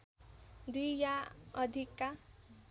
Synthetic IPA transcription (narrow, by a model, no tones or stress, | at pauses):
d̪ujaʌd̪ʱikːa